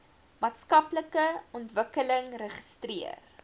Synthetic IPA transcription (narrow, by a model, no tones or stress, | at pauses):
mɑːtskɐpləkəɔntvəkələŋrəχə̥striə̰r